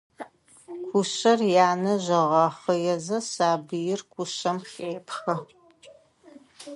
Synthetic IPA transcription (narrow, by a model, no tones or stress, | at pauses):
kʷʰʊɕɐrjaːnɐʑɐʁɑχəjɛzɐsaːbɨjɪrkʷʰʊɕɐmxeːpxɐ